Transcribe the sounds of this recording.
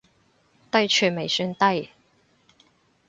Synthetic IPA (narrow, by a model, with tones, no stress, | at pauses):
t̪ɐ˥jt͡ʃʰyː˧˩me˨˩jsy˥nt̪ɐ˥˧j